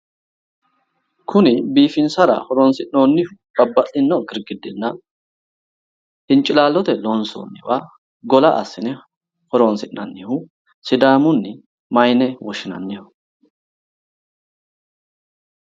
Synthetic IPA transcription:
kʰʊnɪbiːfɪnsɐɾɐ̰hɔɾoːnsɪʔnoːnːɪhʊ | b̥ɐbːɐtʼɪnːɔɡɪɾɡɪd̪ɪnːɐ | hɪnt͡ʃʼːɪlaːlːɔt̪ɛloːnso̰ːnːɪwaː | ɡɔlɐʔɐ̰sːɪnɛ | hɔɾonsɪʔnɐnːɪhʊ | sɪd̪aːmʊnːɪ | mɐjnɛwɔʃɪnɐ̰nːɪjʊ

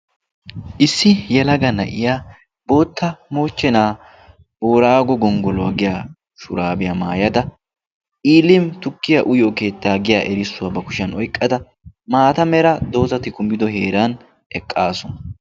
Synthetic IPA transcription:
ʔɪsːɪjɛlɐɡɐnɐ̰ʔɪjaː | bo̞ːt̪ʰːɐmo̞ːt͡ʃːɛnaː | boːɾaːɡɔɡɔŋɡɔlʊwɐ̰ɡɪjaː | ʃʊ̰ɾaːbɪjamaːjɐd̪ɐ | iːlɪmt̪ʊkːɪjɐʔʊjoːke̞ːt̪ːaːɡɪjaːʔɛɾɪsːʊwɐbɐkʊʃɐnɔjkʼːɐd̪ɐ | maːt̪ɐmɛɾɐd̪o̞ːzɐt̪ɪkʊmɪd̪ɔɦe̞ːɾaːn | ɛkʼːaːsɔnɐ

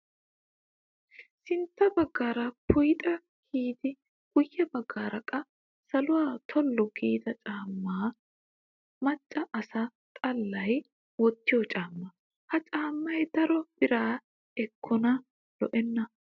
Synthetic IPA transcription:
sɪnt̪ːɐbɐɡːaːɾɐpʊjt̪ʼɐ | kiːd̪ɪ | ɡ̥ʊjːɛbɐɡːaːɾɐkʼːɐ | sɐlʊwaːt̪ʰɔlːɔɡiːd̪ɐt͡ʃʼaːmːaː | mɐt͡ʃʼːɐʔːsɐt̪ʼɐlːɐj | wɔt̪ːɪjɔt͡ʃʼaːmːɐ | hɐt͡ʃʼaːmːɐjd̪ɐɾɔb̥ɪɾaː | ɛkʰːɔnɐ | lɔʔɛnːɐ

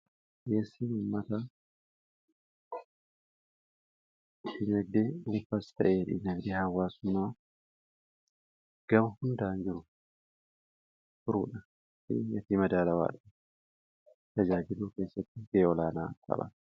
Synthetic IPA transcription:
ʔeːsːiːnuːmːɐt̪a | diːnɐɡ̚d̪eːʊlfɐst̪ɐ̰ʔeːᶑiːnɐɡd̪eːhɐwːaːsʊnaː | ɡ̥ɐmɐhʊnd̪aːnd͡ʒɪɾʊ | fʊɾṵːᶑɐ | ɪ̰jɐt̪iːmɐd̪aːlɐwa̰ːᶑɐ | t̪ɐd͡ʒaːd͡ʒɪluːke̞ːsːɐt̪ːɪɡeːɔlaːna̰ːkʰɐ̰bɐ̰

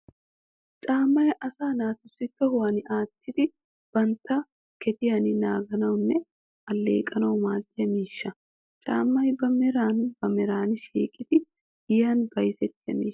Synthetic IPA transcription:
t͡ʃʼaːmːɐjʔɐsaːnaːt̪ʊsːɪt̪ːɔhʊwɐnɪʔaːt̪ːɪd̪ɪ | b̥ɐnt̪ːɐ | kɛt̪ɪjɐnɪnaːɡɐnɐwʊnːɛ | ɐlːḛːkʼɐnɐwmaːt̪ːɪjɐmiːʃːɐ | t͡ʃʼa̰ːmːɐjbɐmɛɾaːnbɐmɛɾaːnɪʃḛːkʼɪt̪ɪ | ɪjaːnbɐjsɛt̪ːɪjɐ̰mḭː

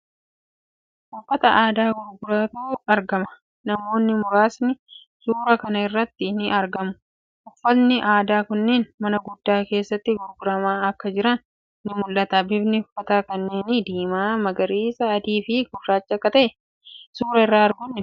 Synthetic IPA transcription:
ʊʔʊfːɐt̪ɐʔaːd̪aːɡʊɾɡʊɾat̪uːɐɾɡɐmɐ̥ | nɐmo̞ːnːɪmʊɾaːsnɪ | suːɾɐkɐnɐɪrːɐt̪ːɪnɪʔɐɾɡɐmʊ̥ | ʔɔfːɔlnɪʔaːd̪aːkʊnːeːnmɐnɐɡʊd̪ːaːke̞ːsːɐt̪ːɪɡʊɾɡʊɾɐmaːɐkːɐd͡ʒɪɾɐnː | ɪmʊlːɐt̪ɐbɪbnɪʊfːɐt̪aːkɐnːeːnɪd̪iːmaːmɐɡɐɾiːsɐːd̪iːfɪɡʊrːaːt͡ʃːɐɐkːɐt̪ɐʔɛ | suːɾɐɪrːaːɐɾɡʊnːɪ

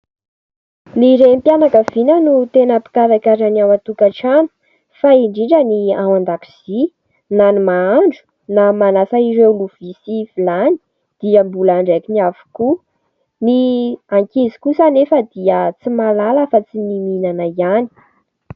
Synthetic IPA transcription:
niɾempjanakəv̥inənut̪enəpi̥kaɾakʲaɾanawat̪ukaʈ͡ʂanu̥ | faiɳɖ͡ʐiɳɖ͡ʐəniawand̪api̥z̥i | nanimaaɳɖ͡ʐu̥ | namanasaiɾeuluv̥isifilani̥ | d̪̥iəmbulaɳɖ͡ʐakiniavu̥ku | niaŋkizi̥kusanefəd̪iət͡simalaləfat͡simininanaiani̥

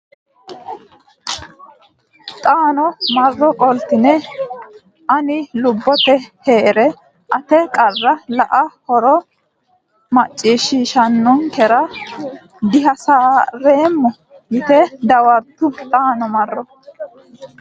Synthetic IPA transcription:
t̪ʼaːnɔmɐrːɔkʼɔlt̪ɪnɛ | ʔɐnɪlʊbːɔt̪ɛhe̞ːɾɛ | ʔɐt̪ɛkʼɐrːɐlɐʔɐhɔɾɔ | mɐt͡ʃʼːiːʃiːʃɐnːɔnkɛɾɐ | d̪ɪɦɐsaːɾeːmːɔ | jɪt̪ɛd̪ɐwɐɾt̪ːʊt̪ʼaːnɔmɐrːɔ

